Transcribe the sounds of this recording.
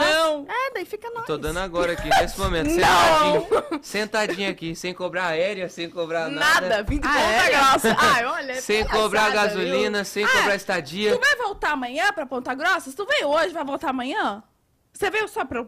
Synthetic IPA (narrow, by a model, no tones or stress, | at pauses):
nɐ̃w̃ɛd̪aifikɐnɔt̪od̪ɐ̃nd̪ʊaɡɔɾɐakinesɪmomẽnt̪ʊnsẽɐ̃ad͡ʒĩsẽnt̪aĩɲɐakisẽj̃kobɾaaɛɾjɐsẽj̃kobɾanaad̪ɐɐvĩd͡ʒ̪õt̪ɐɡɾɔsɐjɔʎɐsẽj̃kobɾaɡazulĩnɐsẽj̃kobɾaist̪ad͡ʒiɐuvajvowt̪aɐmɐ̃ɲɐ̃pɾɐpõnt̪ɐɡɾɔsɐsɪ̥t̪ũvẽjʊoʒɪvajvowt̪aɐmɐ̃ɲɐ̃ | sevejʊsɔpɾɐ